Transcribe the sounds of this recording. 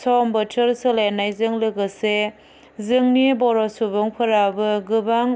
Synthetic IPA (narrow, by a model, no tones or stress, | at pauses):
sɔmbɯtʰɯɾsɯlenːajzɯŋlɯɡɯse | zɯŋnibɔɾɔsubɯŋpʰɯɾabɯɡɯbaŋ